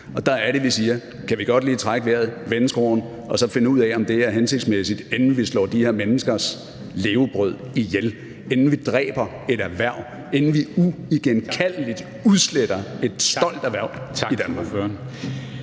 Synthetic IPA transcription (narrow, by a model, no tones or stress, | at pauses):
ɒ̽d̥ɑ̈æɐɾe̝ʋisiːɐ | kʰæʋiɡ̥ɒ̽d̥liːt͡sʰʁaɡ̥əʋeɐ̰ðˠʋensɡ̥ʁoːn | ɒ̽sɒ̽fe̝nəuð̰ˠɛɒ̽md̥e̝æɐɦense̝ɡ̥d̥smesid̥e̝nn̩ʋislɒ̰ːd̥ihe̝ɐmenəsɡ̥ɐs | le̝ːʊb̥ʁœð̞̰ˠijel | e̝nn̩ʋid̥ʁɛ̰ːb̥ɐ | e̝ɾæʋæɐʊ̰ | e̝nn̩ʋiuiɡ̥enkʰæl̰lid̥ | uðˠsled̥ɐe̝d̥sɒ̽l̰d̥æɐʋæɐ̰̥id̥ænmɑ̈ɡøn